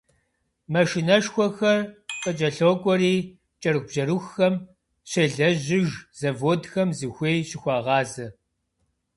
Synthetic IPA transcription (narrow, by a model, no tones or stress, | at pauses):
mɐʃinɐʂxʷɔxɐrqʼɐt͡ʃʼɐɬoːkʷʼɔɾiː | t͡ʃʼɐɾɨxʷb̥ʒɐɾuxːɐm | ɕeɮɐʑɪʒz̥ɐvoːdxɐmzɨxʷeːjɕɪxʷɑːʁɑːzɐ